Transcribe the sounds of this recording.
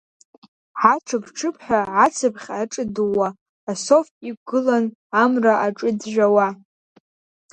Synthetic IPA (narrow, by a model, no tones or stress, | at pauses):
ħaʈ͡ʂʰɨkʈ͡ʂʰɨpʰħᶣaʕat͡sʰɨpʰχʲaʈ͡ʂʼɨdɨwaː | so̞fiɡɨlan | amraʔaʈ͡ʂʼɨdʒᶣawa